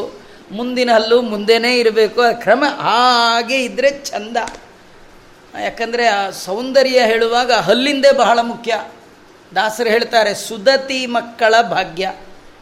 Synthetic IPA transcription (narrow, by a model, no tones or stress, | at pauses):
mund̪inɐlːumund̪eneːiɾɐbe̞ːkuɐkɾɐmɐʔaːɡe̞id̪ɾe̞t͡ʃʰɐnd̪ɐ | jaːkɐnd̪ɐɾesɐwnd̪ɐɾjɐɦe̞ːɭuʋaːɡɐɦɐlːind̪ebɐɦɐɭɐmukʰjɐ | d̪aːsɐɾɦe̞ːɭt̪aːɾe̞sud̪ɐt̪imɐkːɐɭɐbʱaːɡjɐ